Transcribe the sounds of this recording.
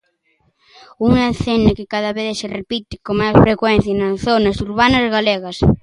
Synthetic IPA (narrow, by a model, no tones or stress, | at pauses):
uŋeθenɪkɪkaðɐβeðserepit̪ɪkomajsfɾekwɛn̟θjɐnɐsθonɐsuɾβanɐzɣaleɣɐs